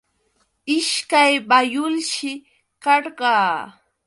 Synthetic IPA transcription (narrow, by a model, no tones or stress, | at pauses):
ɪʃkajbajʊlʃɪ | kɑɾɢɑː